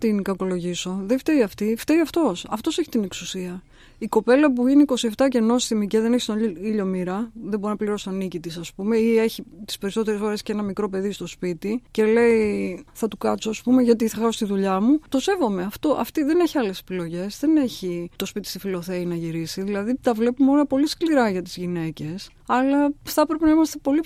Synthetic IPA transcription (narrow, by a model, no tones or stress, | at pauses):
t̪inkɐko̞lo̞ʝiso̞ðeft̪eiɐft̪ift̪eiɐft̪o̞sɐft̪o̞se̞çit̪ine̞ksusiɐ | iko̞pe̞lɐp̬uʝiniko̞sie̞ft̪ɐce̞no̞sst̪imiceðe̞nçist̪oiʎo̞miɾɐðebo̞ɾinɐpliɾo̞st̪o̞nicit̪isɐspume̞ie̞çit̪i̥spe̞ɾiso̞t̪e̞ɾesxo̞ɾe̞sce̞nɐmikɾo̞pe̞ðist̪o̞spit̪ice̞le̞iθɐt̪ukɐt̪soːspume̞ʝɐt̪̬iθɐxɐsost̪iðuʎɐmut̪o̞se̞vo̞me̞ɐft̪o̞ʔɐ̰ft̪iðe̞neçiɐle̞se̥pilo̞ʝe̞zðene̞çit̪o̞spit̪i̥st̪ifilo̞θe̞inɐʝiɾisiðilɐðit̪ɐvle̞pumo̞nɐpo̞liskliɾɐʝɐt̪izʝine̞ce̞s | ɐlɐθɐpɾepenɐimɐst̪e̞po̞li